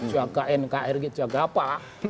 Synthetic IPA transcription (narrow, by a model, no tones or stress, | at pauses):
t͡ʃuaɡaʔɛnkaʔɛrɡit͡ʃuaɡapa